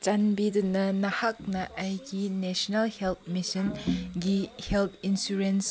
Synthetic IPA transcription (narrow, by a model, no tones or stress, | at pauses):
t͡ʃanbidunɐnɐhak̚nɐʔːjɡinesɔnalhelp̚ʰmisinɡihelpʰinsuɾens